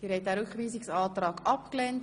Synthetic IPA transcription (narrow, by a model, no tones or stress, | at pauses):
d̥iːɾhɛɪt̚dæːɾʏkχʋiːsiksɑːt̪ɾɑːɡɑpklɛnt